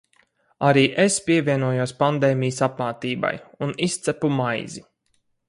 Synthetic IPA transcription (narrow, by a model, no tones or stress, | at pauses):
aɾiːʔespʲiɛvʲiɛnuɔjuɔspand̪eːmijəsapmaːt̪iːba̰junist̪sæpumajzi